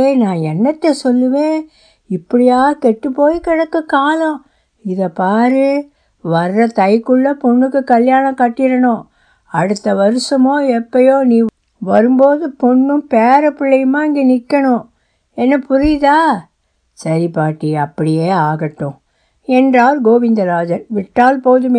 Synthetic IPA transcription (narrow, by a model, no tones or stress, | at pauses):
eːnãːɛnːɐt̪ːesɔlːɯʋẽː | ɪpːɐɽɪjaːɣɐkɛʈːɯpːoːjkɪɽɐkːɐkaːlɐ̃ | ɪðɐpaːɾɯ | ʋɐɾːɐt̪ɐjkɯɭːɐpɔɳːɯkːɯkɐljaːnɐ̃kɐʈːɪɾɐɳʊ̃ | ɐɽɯt̪ːɐʋɐɾɯsɐmoːɛpːɐjoːnĩː | ʋɐɾɯmboːðɯpɔɳːɯ̃mpeːɾɐpɪɭːɐjɯmaːɪŋɡeːnɪkːɐɳʊ̃ | ɛnːɐpʊɾɪjðaː | sɐɾipaːʈːiɐpːɐɽɪjeːaːɣɐʈːʊ̃ | ɛndraːlɡoːʋɪnd̪ɐɾaːd͡ʒɐɾʋɪʈːaːlpoːðɯme